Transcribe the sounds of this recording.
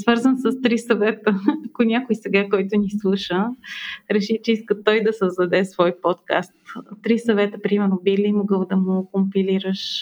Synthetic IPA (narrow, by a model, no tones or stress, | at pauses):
svɤɾzənsəst̪ɾisɐvɛt̪əɐkʊnʲakʊjsɛɡakɔjt̪ʊnislˠuʃə | ɾɛʃit͡ʃɛiskət̪ɔjd̪ɐsəzd̪ɐd̪ɛsvɔjpot̪ka̰st̪t̪ɾisɐvɛt̪əpɾimɛɾnobilʲimoɡɤlˠd̪ɐmʊkompiliɾəʃ